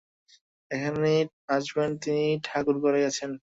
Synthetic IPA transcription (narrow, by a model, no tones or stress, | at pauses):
ekʰane | ad͡ʑbent̪iniʈʰakuɾkɔɾeɡɛt͡ɕʰen